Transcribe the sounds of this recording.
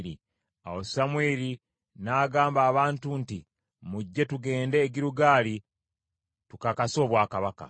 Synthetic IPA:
ɾḭ | awosamweːɾi | naːɡaːmbaːβaːntunti | muɟːe̞tuɡe̞ːnde̞ːɟiɾuɡaːli | tukakaso̞ːβwaːkaβaka̰

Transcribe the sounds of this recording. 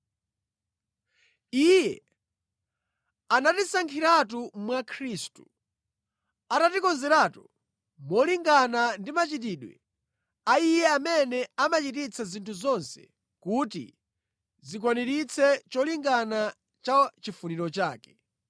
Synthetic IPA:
ijɛ | anatisaŋkʰiɾatumwakʰɾistu | atatikɔnzɛɾaːtu | mɔliŋɡanandimat͡ʃit̬iːɗwɛ̰ | aijɛamɛnɛamat͡ʃitit͡sʰazintʰuzɔnsɛ̥̰ | kutḭ | zik̬waniɾit͡sʰɛt͡ʃɔliŋɡana | t͡ʃat͡ʃifuniɾɔt͡ʃaːkɛ̥

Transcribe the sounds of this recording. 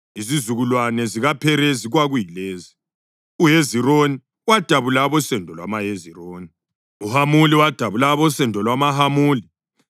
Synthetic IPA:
izizuɣulwanɛziɣapʰɛɾɛziɣwaɣujileːzi | uɦezironi | wad̥ʱaβulaβɔsɛndʱɔlwa̰maɦeziroːni | uhamuliwad̥ʱaβulaβɔsɛndʱɔlwamaɦamuːli

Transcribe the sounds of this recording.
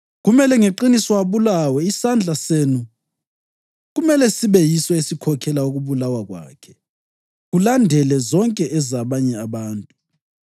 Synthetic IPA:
ɣumɛlɛŋeǃinisɔaβulawɛisand͡ɮʱasenu | ɣumɛlɛsiβɛjisɔesikʰɔkʰɛlauɣuβulawaɣwa̰ːkʰɛ̥ | ɣulandʱɛlɛzɔŋkʼɛʔɛzaβaɲɛaβaːntʼu

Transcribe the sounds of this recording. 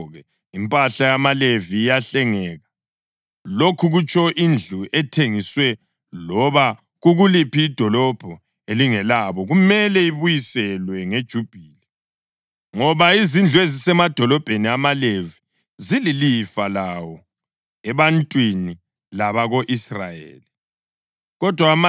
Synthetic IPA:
ɣɛ | impʼaɬajamaleviːjaɬɛŋɛːɣa | lokʰuɣut͡ʃʰʼɔʔind͡ɮʱuʔɛtʰeŋiswɛ | lɔβa | ɣuɣulipʰiːd̥ʱɔlɔb̥ʱɔ | eliŋɛlaβɔɣumɛlɛiβujisɛlwɛŋed̥ʒ̥ʱub̥ʱiːlɛ | ŋɔβaizind͡ɮʱuwezisɛmad̥ʱɔlɔb̥ʱeniamalevi | zililifalawɔ | ɛβantʼwini | laβaɣoʔisra̰jḛːli | ɣɔd̥ʱwama

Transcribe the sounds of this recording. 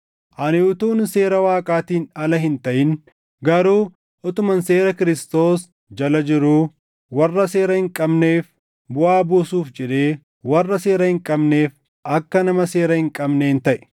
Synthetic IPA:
ʔɐnɪʊt̪uːnse̞ːɾɐwaːkʼaːt̪iːnɐlɐɦɪnt̪ɐʔɪn | ɡɐɾuː | ʔɔt̪ʊmɐnse̞ːɾɐkɪɾɪst̪o̞ːs | d͡ʒɐlɐd͡ʒɪɾuː | wɐrːɐse̞ːɾɐhɪŋkʼɐbne̞ːf | bʊʔaːbuːsuːfd͡ʒɛᶑe̞ː | wɐrːɐse̞ːɾɐhɪŋkʼɐbne̞ːf | ʔɐkːɐnɐmɐse̞ːɾɐhɪŋkʼɐbneːnt̪ɐʔɛ̥

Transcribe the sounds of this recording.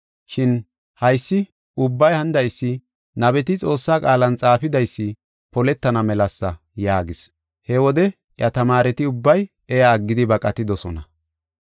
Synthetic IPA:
ʃɪn | hɐjsːɪ | ʊbːɐjhɐnd̪ɐjsːɪ | nɐβɛt̪ɪt͡sʼo̞ːsːaːkʼaːlɐnt͡sʼaːfɪd̪ɐjsːɪ | pɔlɛt̪ːɐnɐmɛlɐsːɐ | jaːɡɪs | hɛwɔd̪ɛ | ʔjɐt̪ɐmaːɾɛt̪ɪʊbːɐj | ɛjaːɡːɪd̪ɪbɐkʼɐt̪ɪd̪ɔsɔnɐ

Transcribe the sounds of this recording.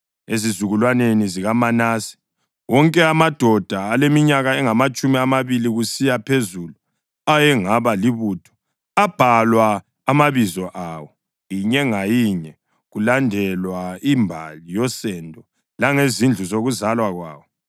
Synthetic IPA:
ezizuɣulwaneniziɣamanaːsi̥ | wɔŋkʼɛamad̥ʱɔd̥ʱaːlemiɲaɣaɛŋamat͡ʃʼumiamaβiliɣusijapʰezulu | ajɛŋaβaliβuːtʰɔ̥ | ab̥ʱalwaː | maβizɔʔawɔ | jiɲɛŋajiɲɛ | ɣulandʱɛlwaimbʱa̰lijɔsɛndʱɔ | laŋezind͡ɮʱuzoɣuzalwaɣwa̰ːwɔ

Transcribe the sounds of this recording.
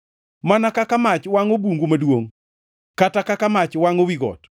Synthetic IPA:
manakakamat͡ʃwaŋobuŋɡumadwoŋ | katakakamat͡ʃwaŋowiɡɔ̰t

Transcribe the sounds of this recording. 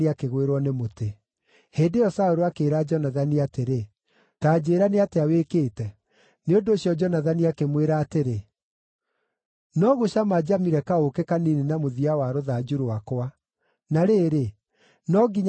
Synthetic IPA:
iakeɣweɾwɔnemote | heːndeɔsaoɾoakeːɾad͡ʒɔnaðaniateɾe | taːd͡ʑeːɾaneateawekeːtɛ | neondosjɔd͡ʒɔnaðaniakemweɾaːteɾe | nɔɣoɕamad͡ʑamiɾɛkaokekaninenamoðiawaɾoðad͡ʒuɾoakowa | naɾeːɾe | nɔɡiɲ

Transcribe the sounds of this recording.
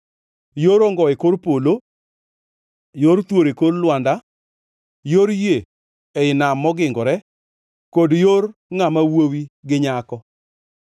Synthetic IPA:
joɾoŋɡɔɪkoɾpolo | joɾt̪woɾekodlwanda | joɾje | eɪnamːɔɡɪŋɡɔɾɛ | kodjorŋamawowiɡɪɲakɔ

